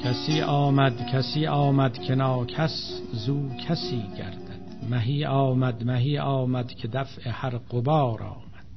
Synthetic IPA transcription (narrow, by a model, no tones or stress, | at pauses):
kʲʰæsiːʔɒːmæd̪kʰæsiːʔɒːmæd̪kʰenɒːkʰæszuːkʰæsiːɡæ̰ɾd̪æd̪̥mæɦiːʔɒːmæd̪mæɦiːʔɒːmæd̪kʲʰed̪æfehæɾɢobɑːɾɒ̰ːmæd̪̥